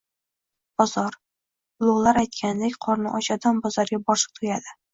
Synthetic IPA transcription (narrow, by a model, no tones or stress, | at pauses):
b̥ɒzɒɾ | lˠowlˠaɾajt̪̚kʲʰand̪ekʲqʰɒɾnɪʔɒt͡ʃad̪anbɒzɒɾɡʲabɒɾʃɨ̥q̚t̪ʰojad̪ɪ